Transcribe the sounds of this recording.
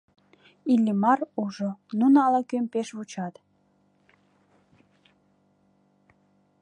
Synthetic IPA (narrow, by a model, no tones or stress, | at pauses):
ilʲːimɑruʒonunɑlɑkømpeʃβut͡ɕɑt̪